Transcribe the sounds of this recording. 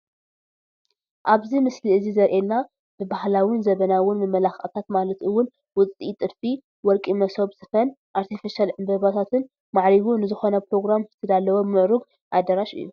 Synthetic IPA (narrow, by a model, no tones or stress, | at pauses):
ʔaβzimɨsliɨzizɐɾʔelna | b̥ɨbahlawɪnzɐβɐnawɪnmɨmːɐlaxʔt̪ʰat̪malɐt̪ɨwʊn | wʊt͡sʼit̪ʼɨd̪fi | wɔɾkʼimɐso̞bsɨfɐn | ʔaɾt̪ʰifiʃalʕɨmbɐβat̪ʰat̪ʰɨn | maʕɾiβunɨzɨxo̞nɐpɾo̞ɡɾamzɨ̥t̪ʰɐd̪alːɐwobmɨʕɾuɡ | ʔad̪ɐɾaʃɨ̰jːu